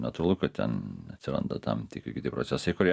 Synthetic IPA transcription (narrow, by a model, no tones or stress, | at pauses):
nɐt̪uɾlˠʊkɐt̪ʲɛ̰nɐt̪sʲɪɾɐ̰nd̪ɐt̪ɐ̰mt̪ʲikʲkʲɪt̪ʲɪpɾot̪sʲɛsɐɪkʊɾʲ